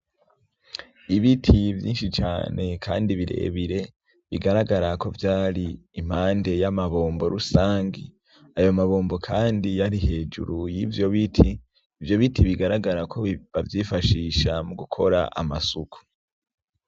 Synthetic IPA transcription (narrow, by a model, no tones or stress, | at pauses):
iβitʰivjḭːnʃit͡ʃa̰ːnʔe̞kʰa̰ːndiβiɾe̞̰ːβiɾe̞ | βiɡaɾaɡaɾako̞vjaːɾiːm̥haːnde̞jamaβo̞ːmbo̞ɾusaːŋɡḭ | ajo̞maβo̞ːmbo̞kʰaːndijaɾihe̞ːd͡ʒṵɾujivjo̞βitʰiː | vjo̞βitʰiβiɡaɾaɡaɾakʰo̞βavjifaʃiːʃamuɡukʰo̞ɾa̰ʔa̰masuku̥